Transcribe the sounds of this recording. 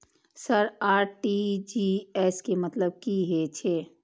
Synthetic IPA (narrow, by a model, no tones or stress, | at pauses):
səɾaːɾʈid͡ʒiɛskemət̪ləb̚kiɦet͡ʃʰe